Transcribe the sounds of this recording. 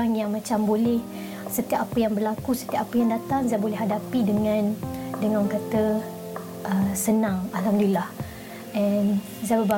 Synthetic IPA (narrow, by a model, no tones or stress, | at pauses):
aŋjaŋmãt͡ʃambolɛh | sət̪iap̚apəjaŋbərlakusə̥t̪iapapəjaŋdat̪aŋzabolɛhɦadapidəŋãndəŋãnɔŋkat̪ə | ʔəsənãŋalɦamddilːah | ʔɛn | zabəba